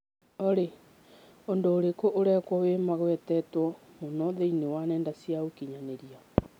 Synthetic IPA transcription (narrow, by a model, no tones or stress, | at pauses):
ɔɾe | ondoːɾekoʔoɾɛkwɔwemaɣwɛtɛtwɔ | monɔðeinewanɛːndasjaokiɲaneɾia